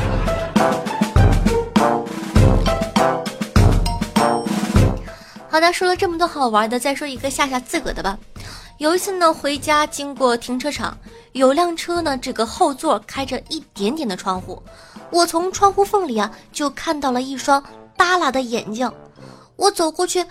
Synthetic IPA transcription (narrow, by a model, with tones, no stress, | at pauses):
xɑ˨˩d̪ə˧ʂwɔ˥lə˨˧ʈ͡ʂɤ˥˩mə˩wɔ˥˩xɑ˨˩ʊwə˞˧˥d̪ə˧t͡sa˥˩ɪʂwɔ˥i˧˥ɡə˧ɕja˥˧ɕ̬ja˥˩t͡sɹ̩˥˩kɤ̰˨˩d̪ə˦bɐ˩jo˨˩ʊi˧˥t͡sʰɹ̩˥˩nə˩xwe˧˥ɪt͡ɕja˥t͡ɕi˥ŋkwɔ˥˩t̪ʰi˧˥ŋʈ͡ʂʰɤ˥ʈ͡ʂʰɑ̰˨˩˦ŋ | jo˨˩ʊljɑ˥˩ŋʈ͡ʂʰɤ˥nə˨ʈ͡ʂɤ˥˩ɡə˩xo˥˧ʊt͡swɔ˥˩kʰa˥ɪʈ͡ʂə˨i˥˩t̪jɛ˧˥nt̪jɛ˨˩nd̪ə˦ʈ͡ʂʰwɑ˥ŋxṵ˥˩wɔ˨˩t͡sʰʊ˧˥ŋʈ͡ʂʰwɑ˥ŋxu˥fɤ˥˩ŋli˨˩ɐ˦t͡ɕjo˥˧ʊkʰa˥˧nt̪ɑ˥˩ʊlə˩i˥˩ʂwɑ˥ŋt̪a˥la˨˩d̪ə˦jɛ˨˩nt͡ɕjɑ˥˩ŋ | wɔ˧˥t͡so˨˩ʊkwɔ˥˧t͡ɕʰy˥˩